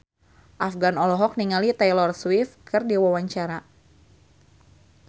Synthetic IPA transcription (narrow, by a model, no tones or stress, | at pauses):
ʔafɡanɔlɔɦɔk̚niŋalit̪ɛjlɔrswifkɨrdiwawaɲt͡ʃaɾa